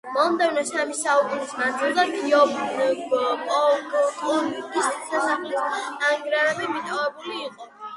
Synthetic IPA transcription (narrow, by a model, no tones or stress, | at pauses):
mɔmd̪ɛvnɔsamisaukʼunismad̪zilˠd̪akiɔ | kʼɔkʼɔlikʼissasaχliisaŋɡɾabɛmit̪ʼɔvɛbuliːqʼɔ